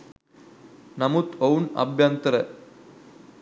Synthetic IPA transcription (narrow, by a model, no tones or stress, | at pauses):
nɐmut̪ownɐ̰bʱjant̪ɾɐ